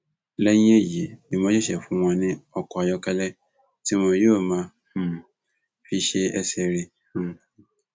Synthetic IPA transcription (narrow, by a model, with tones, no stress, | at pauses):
lɛ˦ɲ˦e˦ji˨e˨nĩ˨m˨ɔ̃˦ɕɛ˦ɕɛ˨fʊ̃˨˦mɔ̃˨nɪ̃˦ɔ˨kʰɔ˨a˨jɔ˦kʰɛ˦lɛ˦ | tʰĩ˦mɔ̃˨jo˦˨mã˨ | hũ˨ | fi˦ɕe˦ɛ˦sɛ˨ɾĩ˦˨